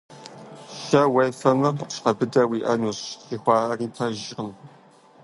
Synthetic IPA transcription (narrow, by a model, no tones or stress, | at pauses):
ʃɐwɐjfɐmɐɕqɐbɨdɐwiːʔɐnuːɕixʷɑːɐriːpʰɐʒʁəm